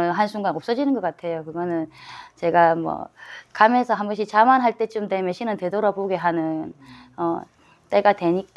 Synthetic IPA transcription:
ɯnɦansʰuŋɡanʌp̚s͈ʌd͡ʑinɯnɡʌk͈atʰe̞jokɯɡʌnɯnt͡ɕe̞ɡamwʌ̰kamesʰʌɦanɡʌɕ̬ʰit͡ɕamanɦaɭt͈et͡ɕ͈umdemjeɕʰinɯnte̞doɾʌboɡe̞ɦanɯn | ʌ | t͈e̞ɡatwe̞ɲik

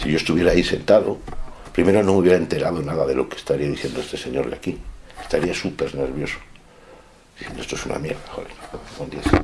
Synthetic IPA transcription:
siʝo̞est̪uβjeɾaːise̞nt̪aðo | pɾime̞ɾo̞nõŋmuβjeɾae̞nt̪e̞ɾaðonaðaðelo̞̰ke̥st̪aɾiaðiθje̞nd̪oe̞st̪e̞se̞ɲo̞ɾleakiest̪aɾiasupe̞ɾneɾβjo̞so̥ | d̪̥iθje̞ndoest̪oesuna̰mjeɾðaxo̰ðenond̪ias

